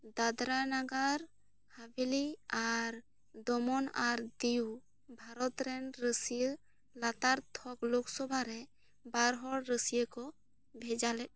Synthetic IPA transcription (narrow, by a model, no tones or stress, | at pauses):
d̪ad̪ɾanaɡaɾ | habeliaɾ | d̪ɔmɔnaɾd̪iu | bʱaɾɔt̪ɾɛnɾəsijə | lat̪aɾt̪ʰɔkloksɔbʱaɾɛ | baɾɦɔɽɾəsijəkɔ | bʱɛd͡ʒalɛt̚